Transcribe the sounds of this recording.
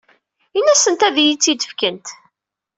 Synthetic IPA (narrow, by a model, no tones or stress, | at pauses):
inːæsənt̪æðijit͡sːid̪ə̥fkənt̪